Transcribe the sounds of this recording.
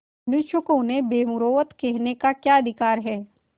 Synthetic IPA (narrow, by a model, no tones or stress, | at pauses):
nʊʃjəkõnebeːmʊɾoːʋət̪kɛɦnekakjaːɐd̪ʱɪkaːɾɦɛː